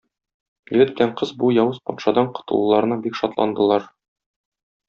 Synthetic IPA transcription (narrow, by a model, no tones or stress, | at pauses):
jɘ̆ɡɘt̪bɘ̆læɴqɤzbujɒwɤzpɒt̪ʃɑd̪ɑɴqŏ̥t̪ɤ̰̆lˠulˠɑɾɤ̆nɑbikʃɒt̪lˠɑ̰nd̪ɤ̆lˠɑɾ